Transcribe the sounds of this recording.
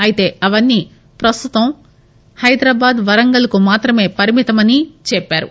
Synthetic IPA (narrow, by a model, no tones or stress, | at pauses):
ɐjit̪e̞ːɐʋɐnːiː | pɾɐst̪ut̪ɐm | hɐjd̪ɾaːbaːd̪ʋɐɾɐŋɡɐlɐkumaːt̪ɾɐme̞ːpɐɾimit̪ɐmɐnit͡ʃɛpːaːɾṵ